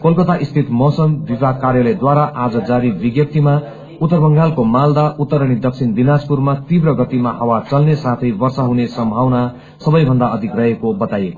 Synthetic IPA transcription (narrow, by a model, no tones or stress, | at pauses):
kolkʌt̪aʔist̪ʰit̪mʌsʌmbibʱakarjʌlʌjd̪waɾaʔad͡zʌd͡zaɾibiɡjʌp̚t̪ima | ut̪ːʌrbʌŋɡalkomald̪aʔut̪ːʌɾʌɽ̃id̪ʌksʰind̪inad͡zpurmat̪ibrʌɡʌt̪imaɦʌwat͡sʌlnesat̪ʰʌjbʌrsaɦunesʌmbʱawna | sʌbʌjbʱʌnd̪aʌd̪ʱiɡrʌɦekobʌt̪ajeko